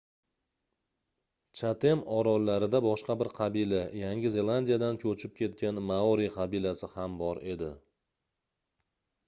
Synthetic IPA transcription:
t͡ʃʰat̪ʰe̞mɒɾɒlːaɾɪd̪abɒʃqɑbɪɾqʰɑbilajaŋʲɪze̞lˠand̪ijad̪ankʲʰɵt͡ʃʰɪp̚kʲʰe̞t̪̚kʲanmaoɾiqʰɑbilasɪhambɒɾe̞d̪ɪ

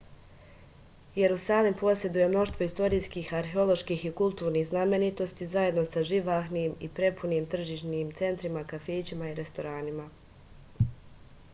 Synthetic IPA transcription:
je̞ɾusaːlimpo̞sje̞d̪uje̞mno̞ʃt̪ʋo̞ist̪o̞ɾijskiːxaɾxeo̞lˠo̞ʃkiːxikulˠt̪uːɾniːhzname̞nit̪o̞st̪izaje̞d̪no̞saʒiʋaːxniːmipɾe̞puniːmt̪r̩ʒiːʃniːmt̪se̞nt̪ɾimakafeːt͡ɕimaiɾe̞st̪o̞ɾaːnima

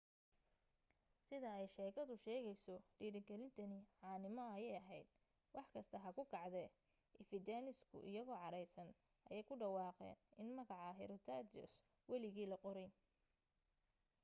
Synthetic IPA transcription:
sɪðɐɛjʃɛːkʰɐðʊʃɛːɣɛjsɔɖiːɾɪɡɛlɪnt̪ʰɐniʕɑːnɪmɔɐjɛjɐɦɛjd̪̚ | wɑħkʰɐst̪ʰɐɦɐkʰʊkʰɑʕd̪ɛː | ʔɪfɪd̪aːnɪskʰʊ̰ʔɪ̰jɐɣɔːʕɑɾɛjsɐn | ʔɐjɛjkʰʊɖɑwɑːqɛ̰ːnɪnmɐɣɑʕɑɦɛɾɔt̪ʰaːd̪ɔ̰s | wɑlɪɣiːlɐqɔɾɛjn

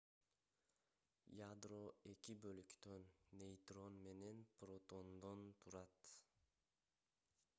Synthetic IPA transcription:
jad̪ɾoe̞kʲibølykt̪ønːe̞jt̪ɾo̞nme̞nenpɾo̞t̪o̞nd̪ont̪ʰuɾɑt̪

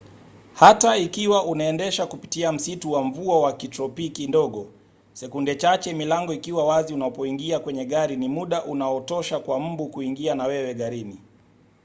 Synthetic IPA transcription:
hataikiwaʔunaɛndɛʃakupi̥tiam̩situwaɱ̩vuawakitɾɔpikindɔɠɔ | sɛkundɛt͡ʃat͡ʃɛmilaŋɡɔikiwawaziunapɔiŋɡiakwɛɲɛɠaɾinimuɗaʔunaɔtɔʃakwam̩bukuiŋɡianawɛwɛɠaɾini

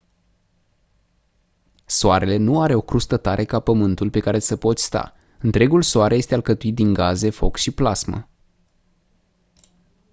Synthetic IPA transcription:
soaɾe̞le̞nuaɾe̞o̞kɾust̪ət̪aɾʔe̞kapəmɨnt̪ulpe̞kaɾe̞səpo̞t̪sʲst̪a̰ | ɨnt̪ɾe̞ɡulsoaɾeje̞st̪ealkət̪uit̪̚d̪iŋɡaze̞fo̞̰kʃiplasmə̰

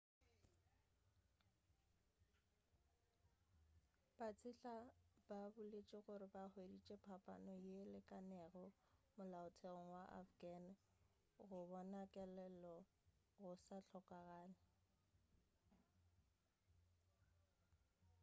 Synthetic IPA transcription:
b̥at͡sʼɪɬab̥abʊlet͡ʃʼɪɣʊɾɪbahwedit͡ʃʼɛpʰapʼa̰nɔjelɪkʼanɛɣɔ | mʊlaʊtʰɛŋ̩waʔa̰fɡan | ɣʊbɔnakʼɛlɛlɔ | ɣʊsaɬʰɔkʼaɣaːnɪ

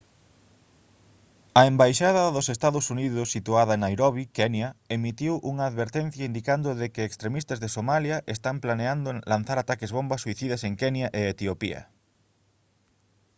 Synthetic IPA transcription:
ɐembajʃaðɐðʊsest̪aðʊsuniðʊsːit̪uaðɐnajɾoβikɛnjɐemit̪iwʔuŋɐːðβeɾt̪ɛn̟θjɐind̪ikand̪ʊðekɪekst̪ɾemist̪ɐzðesomaljɐʔest̪amplaneand̪ʊlan̟θaɾat̪akezβombɐsːuiθiðɐseŋkɛnjɐʔeet̪iopḭɐ̰

